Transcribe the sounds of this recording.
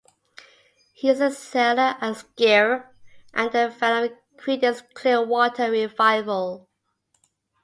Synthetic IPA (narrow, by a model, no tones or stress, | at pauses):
hiɪzəsɛləʔəsɡ̥ɛɹʔə̃nðəfæl | kʰɹidəskʰl̥ɪəwɔtʰəɹɪvaɪvəlˠ